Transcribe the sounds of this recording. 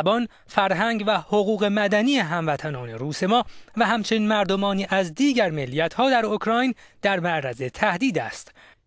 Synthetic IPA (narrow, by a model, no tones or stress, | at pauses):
bɒːn | fæɾɦæŋɟvæhoɣuːɣe̞mæd̪æniːeɦæmvæt̪ʰænɒːne̞̰ɾuːse̞mɒːvæɦæmt͡ʃʰenmæɾd̪omɒːniːʔæzd̪iːɟæɾmelːiːjæt̪ʰhɒːd̪æɾokʰɾɒːjnd̪̥æɾmæʔɾæze̞t̪ʰæhd̪iːd̪æst̪